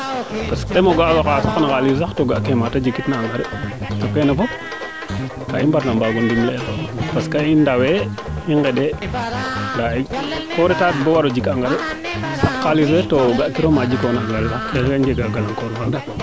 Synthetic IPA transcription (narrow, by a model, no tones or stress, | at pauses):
paskdɛmoɡaɡakasaknakalis̬axtoɡakematad͡ʒikːitnaːŋɡaɾɛtokɛnafɔp̚ | kaimbaɾnambaɡundimlɛlpaskaindaweiŋɡɛde | ndaikɔɾɛtabowaɾod͡ʒikaŋɡaɾɛ | sakːaliswɛtoɡakiɾomad͡ʒikonaaŋɡalsaxeɡaɲd͡ʒɛɡaɡalaŋkoɾfa